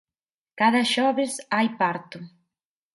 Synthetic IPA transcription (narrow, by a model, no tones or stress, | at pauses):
kaðɐʃɔβɪsajpaɾt̪ʊ